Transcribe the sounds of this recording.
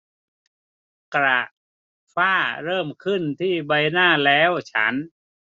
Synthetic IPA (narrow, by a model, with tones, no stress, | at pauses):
kɾa˨˩ʔ | faː˥˩ɾɤː˥˩mkʰɯ˥˩nt̪ʰiː˥˩ba˧jnaː˥˩lɛː˦˥wt͡ɕʰa̰˦˥n